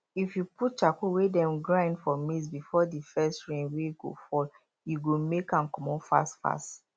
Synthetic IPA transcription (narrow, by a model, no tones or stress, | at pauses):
ifjuput̚t͡ʃakuwedɛ̃mɡɹãɪ̃ndfɔmisbifɔdifɛstɹẽnwejuɡo̰fɔl | juɡomekãnkɔmɔ̃nfa̰stfa̰st